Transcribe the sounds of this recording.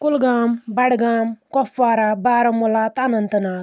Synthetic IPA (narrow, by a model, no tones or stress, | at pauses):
kulɡaːmbɐɽɡaːmkɔfʋaːɾabaːɾɐmulat̪anɐnt̪ɐnaː